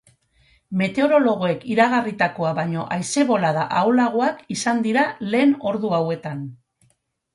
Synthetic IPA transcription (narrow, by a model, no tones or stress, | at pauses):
me̞t̪e̞o̞ɾo̞lo̞ɣ̞oe̞kiɾaɣarit̪ako̞aβaɲo̞ʔajse̞βo̞laðaʔawlaɣ̞oakisand̪iɾale̞ːno̞ɾðuawe̞t̪an